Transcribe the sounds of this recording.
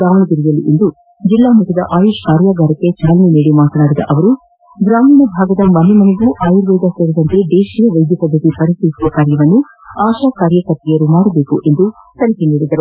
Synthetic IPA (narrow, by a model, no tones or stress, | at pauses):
ɡɾaːmɐɳɐɡ̪iɾijɐlḭʔend̪u | d͡ʒilːaːmuʈɐd̪ɐ̰ʔaːjuːʃkaːɾjaːɡaːɾɐkːet͡ʃaːlɐniniːɽimaːt̪ɐnaːɽid̪ɐ̰ʔɐʋɐɾu | ɡɾaːminɐbʱaːɡɐd̪ɐmɐnemɐneɡuʔaːjuɾʋɐːd̪aseːɾid̪ɐnt̪ed̪eːʃijɐʋɐjd̪jɐkɐd̪ɐkːipɐɾist̪iʋisid̪ɐkaːɾjɐʋɐnːu | aːʃaːkaːɾjɐkɐɾt̪ijɐɾumaːɽɐbe̞ːkuʔe̞nd̪u | t̪ɐɾikeniːɽid̪ɐɾu